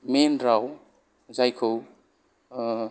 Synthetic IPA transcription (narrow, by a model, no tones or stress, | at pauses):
menɾaw | zajkʰɯw